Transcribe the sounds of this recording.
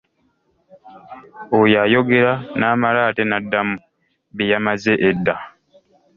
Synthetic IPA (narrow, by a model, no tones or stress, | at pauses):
ojajo̞ɡeɾanaːmaɾaːtenadːamu | βejamazeʔedːa